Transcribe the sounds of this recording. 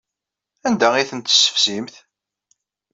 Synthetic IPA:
ænd̪æʁiθənt̪ə̥sːə̥fsimθ

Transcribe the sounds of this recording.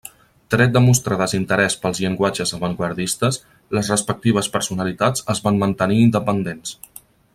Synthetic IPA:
t̪ɾɛt̪̚d̪əmust̪ɾəðəzint̪əɾɛspəlˠzʎəŋɡwad͡ʒəzəβəŋɡwəɾðist̪əs | ləzrəspək̚t̪iβəspəɾsunəlit̪ad͡zəzβanmənt̪əniːnd̪əpənd̪ens

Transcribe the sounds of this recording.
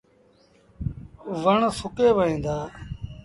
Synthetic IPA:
ʋəɳsʊkeːʋəɦĩːnd̪aː

